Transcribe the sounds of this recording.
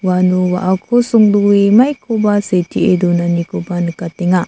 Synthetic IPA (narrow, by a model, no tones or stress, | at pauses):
wanuwa̰ʔakʰosɔŋluwimajkʰobasetʰḭedunanikʰobanɯkat̪eŋa